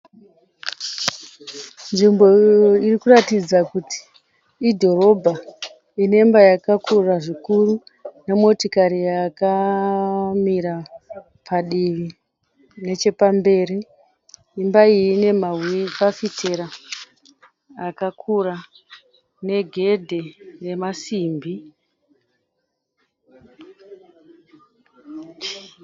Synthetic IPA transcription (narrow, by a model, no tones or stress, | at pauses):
nʐimbo̞oirikuratid͡zakuti̥ː | dʱo̞ɾo̞bʱa | ine̞mbajakakʰuraʐikuru | ne̞mo̞tokaɾijaka | miɾa | pʰaɗiʋi | ne̞t͡ʃe̞pambe̞ːɾi | imbaine̞mawipafite̞ɾa | kakʰura | ne̞ɡʱe̞dʱe̞re̞masiːmbʱi